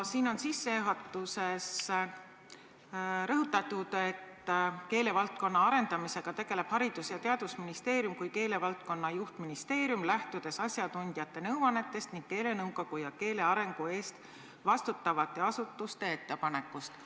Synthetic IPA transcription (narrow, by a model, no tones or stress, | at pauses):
siːno̞nsisːe̞eɦot̪ːˑuse̞s | ɾɤɦut̪ːˑɑt̪ud̪̥e̞t̪ːke̞ːle̞vɑlt̪̚ko̞nːɑɑɾe̞nd̪̥ɑmise̞ɡ̥ɑt̪e̞ɡ̥e̞le̞b̥hɑɾid̪̥usjɑt̪eɑd̪̥usminist̪e̞ːɾjumkujke̞ːle̞vɑlt̪̚ko̞nːɑjuht̪minist̪e̞ːɾjumlæht̪ud̪̥e̞sɑsʲjɑt̪unʲd̪̥jɑt̪ːe̞nɤwɑne̞t̪ːˑe̞st̪niŋɡ̥̚ke̞ːle̞nɤwɡo̞ɡ̥ujɑke̞ːle̞ɑɾe̞ŋɡ̥ue̞ːst̪ | vɑst̪ut̪ːɑvɑt̪ːˑe̞ɑsut̪ːˑust̪e̞e̞t̪ːe̞pɑne̞kːˑust̪